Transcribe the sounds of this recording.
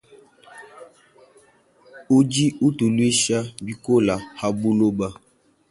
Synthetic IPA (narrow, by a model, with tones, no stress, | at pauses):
u˦d͡ʒi˦u˦tu˨lwi˦ʃa˦bi˦ko˦la˨ha˦bu˦lo˦ba˦